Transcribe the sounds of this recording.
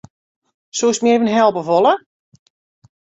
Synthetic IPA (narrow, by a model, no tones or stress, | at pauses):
suːsmjevənɦɛlˠpəvolˠə